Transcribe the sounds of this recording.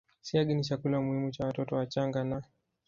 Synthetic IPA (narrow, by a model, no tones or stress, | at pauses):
siaɡinit͡ʃakulamuhimut͡ʃawatɔtɔwat͡ʃaŋɡana